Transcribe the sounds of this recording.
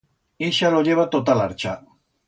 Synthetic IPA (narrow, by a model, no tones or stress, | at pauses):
iʃaloʎeβat̪ot̪alaɾt͡ʃa